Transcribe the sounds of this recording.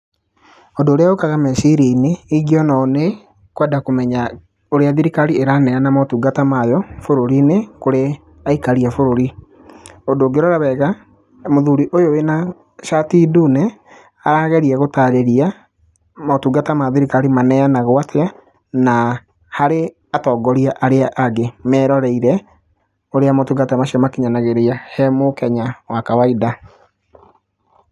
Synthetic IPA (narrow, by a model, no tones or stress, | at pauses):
odoːɾeaokaɣamɛsiɾeineiɡiɔnaːne | kwɛdakomɛɲa | oɾeaðiɾikaɾieɾanɛanamatuːɡatamajɔfoɾoɾinekoɾe | aikaɾiafoɾoɾi | odoːɡeɾɔɾaβɛɣa | moðuɾiʔojowena | ʃatidunɛ | aɾaɣɛɾiaɣotaɾeɾia | matuɡatamaðiɾikaɾimanɛanaɣwatʰea | na | haɾe | atɔːɡɔɾiaʔaɾeaʔaɡemɛɾɔɾɛiɾɛ | oɾeamotuɡatamaʃamakiɲanaɣeɾeahɛmokɛɲawakawaida